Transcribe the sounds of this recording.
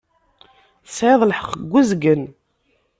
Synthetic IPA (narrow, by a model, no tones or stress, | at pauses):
sʕeðˤlħə̥qːəɡʷːuzɡən